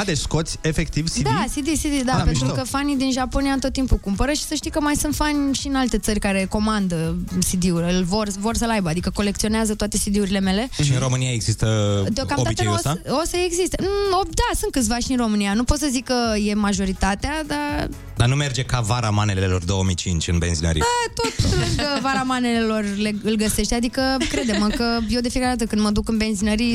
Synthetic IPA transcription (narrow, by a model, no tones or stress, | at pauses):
ad̪et͡ʃsko̞t̪sʲe̞fe̞k̚t̪ivsid̪asid̪isid̪id̪apet̪ɾukəfanid̪inʒapo̞niaɨnt̪ot̪ːimpukumpəɾəʃi̥səʃt̪ijkəmajsɨnt̪fanʲʃiɨnalt̪e̞t̪sərʲkaɾe̞ko̞mand̪əsid̪iuɾʲɨlvo̞rvo̞rsəlajbəad̪ikəko̞le̞k̚t̪sio̞neazət̪wat̪e̞st̪id̪iuɾile̞me̞le̞ʃiɨnɾo̞mɨnijaeɡz̥ist̪əd̪eokamod̪ait͡ʃ̪əinuososəeɡzist̪eod̪asɨnt̪̚kɨt̪sʲvaʃinro̞mɨnijanupot̪səzikːəje̞maʒo̞ɾit̪at̪ead̪a | d̪anume̞rd͡ʒe̞kavaɾamanelelo̞rd̪o̞omijt͡ʃint͡ʃʲɨnbe̞nzinə̰ɾḭət̪ot̪lukəvaɾamane̞le̞lo̞rle̞ɨlɡəse̞ʃt̪ead̪ikəkɾe̞d̪eməkəjewd̪e̞fiekaɾeat̪əkɨnd̪məd̪ukɨnbe̞nzinəɾi